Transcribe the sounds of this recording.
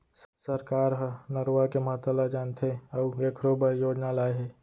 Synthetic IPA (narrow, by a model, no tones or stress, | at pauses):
səɾkaːɾɦənəɾwakeməɦət̪ːəlad͡ʒaːnt̪ʰeɔeːkʰɾobəjoːd͡ʒnalaːeɦɛː